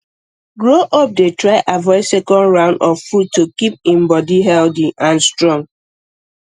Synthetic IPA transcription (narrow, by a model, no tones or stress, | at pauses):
ɡɹoʔɔp̚detɹaɪʔavɔɪsɛkɔ̃ndɹãʊ̃ndɔffud̚tokip̚ĩmbɔdiɦɛldiʔãnstɹɔ̃ŋ